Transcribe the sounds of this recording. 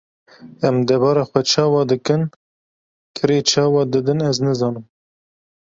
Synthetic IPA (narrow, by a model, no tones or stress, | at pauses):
ɛmd̪ɛbɑːɾɑːxʷɛt͡ʃʰɑːwɑːd̪ɨkɨn | kʰɨɾeːt͡ʃʰɑːwɑd̪ɨd̪ɨnɛznɨzɑːnɨm